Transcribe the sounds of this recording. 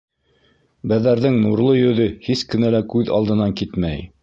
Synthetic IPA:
bæðæɾðɘŋnuɾlˠɤjɵ̆ðɵhiskɘ̆nælækʉðɑ̰lˠd̪ɤ̆nɑŋkit̪mæj

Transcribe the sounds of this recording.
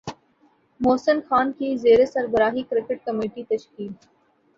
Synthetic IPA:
moːsənxaːnkizeːɾesɐɾbəɾaːɦikɾɪkɪʈ̚kɐmeːʈit̪ɐʃkiːl

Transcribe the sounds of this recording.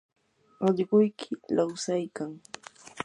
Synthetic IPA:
ɑʎɢʊjkʰɪlawsajkaŋ

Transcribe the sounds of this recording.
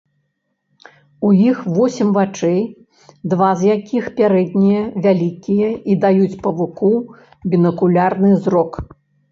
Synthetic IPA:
ujixvɔsʲɛmvat͡ʂɛj | d̪vazjakʲʰixpʲaɾɛd̪̚ʲnʲijɐvʲalʲikʲijɐid̪ajut͡sʲpɐvuku | bʲinɐkulʲarnɨzrɔk

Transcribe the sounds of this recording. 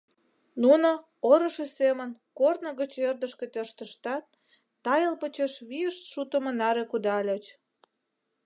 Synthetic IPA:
nuno | oɾə̆ʃesemənkornə̆ɣət͡ɕerd̪əʃket̪ørʃt̪əʃt̪ɑt̪̚ː | ɑjəlpət͡ɕeʃβiəʃt̪ʃut̪əmə̆nɑɾekud̪ɑlʲet͡ɕ

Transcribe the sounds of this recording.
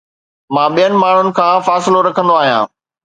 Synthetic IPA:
mãːɓijənɪ̆maːɳ̤ʊnɪ̆kʰãːfaːsɪloɾɐkʰə̃nd̪oaːɦijãː

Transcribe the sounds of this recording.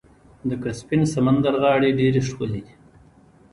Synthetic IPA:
d̪əkaspinsamand̪aɾɣɑːɽeɖeɾiʂkəled̪i

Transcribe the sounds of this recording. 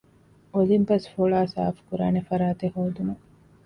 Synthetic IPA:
olimpɐsfoɭaːsa̰ːfkuɾa̰ːnefɐɾaːt̪ehoːd̪ume

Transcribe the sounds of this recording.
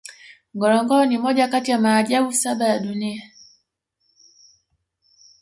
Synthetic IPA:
ŋɡɔlɔŋɡɔnimɔɟakatijamaːɟabusabajadunia

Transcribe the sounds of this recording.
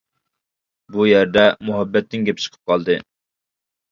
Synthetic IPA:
bujɛɾd̪ɛmʊɦɛbːɛt̪ːɪŋɡʲɛp̚t͡ʃʰə̥qʰə̥p̚qʰɑlˠd̪ɨ

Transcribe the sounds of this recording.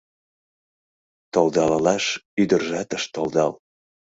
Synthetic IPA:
t̪old̪ɑllɑʃyd̪ərʒɑt̪əʃt̪old̪ɑl

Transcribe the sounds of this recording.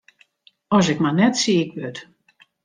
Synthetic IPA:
ɔsɛkmanɛtsiɪkʋøt

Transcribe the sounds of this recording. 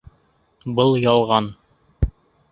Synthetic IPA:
bɤlˠjɑlˠʁɑn

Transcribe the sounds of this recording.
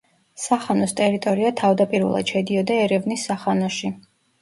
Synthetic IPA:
saχanɔst̪ʼɛɾit̪ʼɔɾiat̪ʰavd̪apʼiɾvɛ̰lˠa̰d̪̥ʃɛd̪iɔd̪aɛɾɛvnisːaχanɔʃi

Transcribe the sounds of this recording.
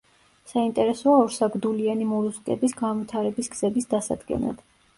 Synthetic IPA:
saint̪ʼɛɾɛsɔaɔɾsaɡɾd̪ulianimɔɾuskʼɛ̰bisɡanvit̪ʰaɾɛbisɡz̥ɛbisd̪asa̰d̪ɡɛ̰na̰d̪̥

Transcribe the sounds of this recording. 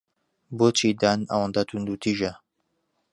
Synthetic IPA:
bot͡ʃid̪aːna̰wɐnd̪at̪ʰund̪ut̪ʰiːʒɐ

